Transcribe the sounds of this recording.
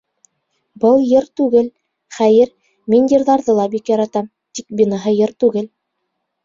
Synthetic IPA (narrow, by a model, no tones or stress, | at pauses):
bɤlˠjɤɾt̪ʉɡɘl | χæjɘɾ | mʲinʲd̪ʲiɾðɑɾðɤlˠɑbikjɑɾɑt̪ɑm | t̪ik̚binɑɦɤjɤɾt̪ʉɡɘl